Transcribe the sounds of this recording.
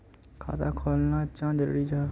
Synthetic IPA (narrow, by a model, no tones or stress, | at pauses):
kʰa̰ːt̪aːkʰoːlnãːt͡ʃãːd͡ʒəɾɽiːd͡ʒaː